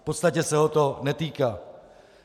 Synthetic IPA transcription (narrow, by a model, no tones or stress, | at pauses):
po̞t̪st̪acɛsɛɦo̞t̪o̞nɛt̪iːkaː